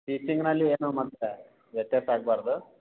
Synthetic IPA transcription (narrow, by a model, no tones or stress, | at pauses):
ʈiːt͡ʃiŋɡnɐlːieːnumɐd̪ːe | ʋjɐt̪jaːsaːɡ̚baːɾd̪u